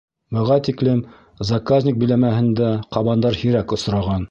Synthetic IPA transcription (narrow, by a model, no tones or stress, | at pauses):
bɤ̆ʁɑt̪iklɘm | zakazʲnʲɪk̚bĭlæmæhɘ̆nd̪æqɑβɑnd̪ɑɾhiɾækŏs̆ɾɑʁɑn